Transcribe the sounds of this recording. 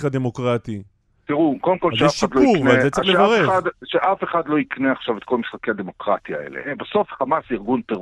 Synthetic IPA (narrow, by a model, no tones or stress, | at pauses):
ad̪e̞mo̞kʁat̪i | t̪iʁukodemko̞lʃeaʃadlouknvalzet͡selevaʁed̪ʃeʔafeχad̪lo̞ikneaχʃavet̪kʰo̞lmisχakead̪emo̞kʁat̪iaḛlḛbaso̞fχamasiʁɡunpe